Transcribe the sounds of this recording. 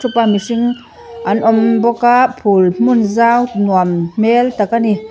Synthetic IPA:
sʰupamisiŋ | ʔanʔɔmbɔkaʔpʰulm̥unzawnuammɛlt̪akani

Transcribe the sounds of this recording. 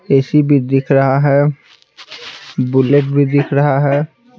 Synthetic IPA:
eːsibʱid̪ɪkʰɾɐɦaɦɛː | bʊleʈ̚bʱid̪ɪkʰɾɐɦaɦɛː

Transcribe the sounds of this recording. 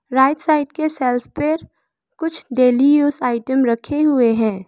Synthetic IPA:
ɾaːɪʈsaːɪʈkesɛːlpʰpəɾ | kʊt͡ʃʰɖeːlijuːzaːɪʈəmɾɐkʰeɦʊeɦɛ̃ː

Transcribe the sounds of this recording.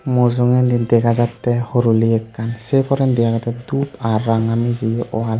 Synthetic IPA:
mɔzɔŋɛndindɛɡazatːɛhɔɾuliɛkːansekʰɔɾɛndɛaɡatɛdupaɾːaŋamiziʔɔal

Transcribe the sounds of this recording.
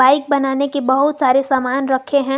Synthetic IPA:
aːɪk̚bɐnaːnekebɐɦʊt̪saːɾesaːmaːnɾɐkʰeɦɛ̃ː

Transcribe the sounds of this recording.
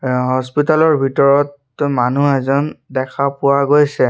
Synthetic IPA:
ɦɔspitalɔɹbʱitɔɹɔt | manuɛzɔndɛkʰapʊwaɡojsɛ

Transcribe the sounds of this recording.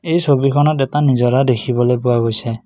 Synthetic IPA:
ejsobikʰɔnɔtɛtanizɔɾad̪ekʰibɔlepʊaɡojse

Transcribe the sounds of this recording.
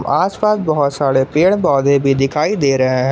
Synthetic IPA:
maːspaːsbɔɦʊt̪saːɽepeːɽbɔːd̪ẽbʱid̪ɪkʰaːid̪eːɾɐɦẽɦɛ̃

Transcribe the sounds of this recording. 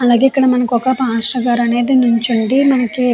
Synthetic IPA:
ɐlaːɡeikːɐɽɐmɐnɐkɔkɐpaːʂɾɐɡaːɾɐne̞ːd̪inuɲt͡ʃuɳɖimɐnɐki

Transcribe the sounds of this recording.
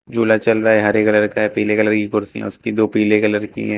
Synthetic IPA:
d͡ʒuːlat͡ʃɐlɾaaːɦɛɦɐɾeːkɐləɾkaɦɛpiːlekɐləɾkikʊɾsḭɦɛ̰ʊskid̪oːpiːlekɐləɾkḭɦɛ̃ː

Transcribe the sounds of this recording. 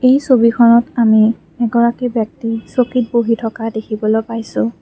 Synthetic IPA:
ejsobikʰɔnɔtami | ɛɡɔɹakibjak̚tisokit̚boɦitʰɔkadekʰibɔlojpajsʊ̃

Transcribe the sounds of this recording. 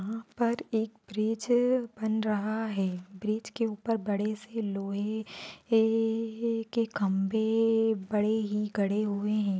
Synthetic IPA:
ɦãpɐɾeːk̚bɾiːd͡ʒbɐnɾɐɦaɦɛːbɾiːd͡ʒkeuːpəɾbɐɽeseloːɦe | kekɐ̃mbebɐɽeɦiɡʱɐɽeɦueɦɛ̃ː

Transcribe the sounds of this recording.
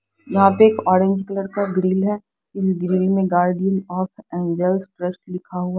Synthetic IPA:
jɐɦãpeɾeːkɔːɾẽːɲd͡ʒkɐləɾkaɡɾiːlɦɛ | ɪs̬ɡɾiːlmẽɡaːɾɖijənɔːfɛ̃ːnd͡ʒəlsʈɾəsʈlɪkʰaɦuaː

